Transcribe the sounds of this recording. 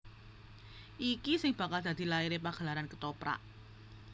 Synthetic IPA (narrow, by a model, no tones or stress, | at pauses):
ʔikisɪŋb̥a̤kald̪̥a̤d̪̥i̤laiɾepaɡ̥a̤laɾankət̪opɾa̰ʔ